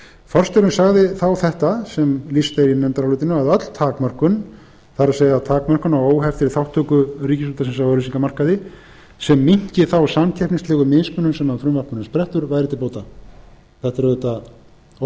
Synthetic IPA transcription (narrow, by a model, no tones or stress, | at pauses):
fɔr̥st̪ɛɾɪnsaɣðɪθawθɛht̪asɛmlist̪ejɾinɛnt̪aɾalʏːt̪ɪnʏaðœt̪l̥t̪ʰaːkmœr̥kʏn | θaɾaseːjðat̪ʰaːkmœr̥kʏnawoːwɦɛft̪ɪɾθawht̪ʰːœːkʏɾiːcɪsut̪asɛns̬awœɾisiŋkamar̥kaðɪ | sɛmːiɲ̥cɪθawsamcʰɛhpniŋst̪lɛːɣʏmɪðsmʏnːʏmsɛnːaðfɾʏmvapmʏnɪnspɾɛht̪ʏɾvajɾɪt̪ʰɪlpoːwt̪a | θɛht̪aɾðʏt̪a